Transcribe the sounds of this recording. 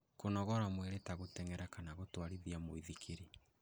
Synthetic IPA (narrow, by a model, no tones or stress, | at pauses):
konɔɣɔɾamweɾetaɣotɛŋɛɾakanaɣotwaɾiðiamoiðikʰeɾi